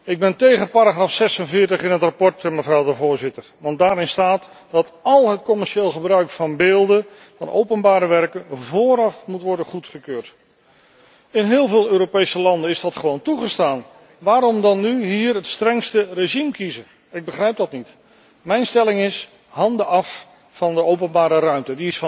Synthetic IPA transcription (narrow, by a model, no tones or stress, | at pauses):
ɪɡ̚bɛntejχəpaːɾaχraːfsɛsənvɪːɹtəχɪnɦətrapɔɹtɛməvrɔwdəvʊːɹzɪtəɹʋɑnt̚daːɾɪnstaːt | dɑtɑlˠɦətkɔmɛɹʃeːlˠχəbrœɥkfɑnbeːlˠdə | vɑ̰nʔo̰wpənbaːɾəʋɛrkənvoːɾɑfmutʋɔɹdəχutχəkøːɹt | ɪnɦɪːlˠvɪːlˠøːɾopejsəlɑndənɪzdɑtχəʋowntuχəstaːn | ʋaːɾɔmdɑnːyɦiːrɦətstrɛŋstəreʒimkizə | ɪɡ̚bəχrɛjp̚dɑtnit | mɛjnstɛlɪŋɪs | ɦɑndəʔɑf | fɑndəowpənbaːɾərœɥmtədiɪsf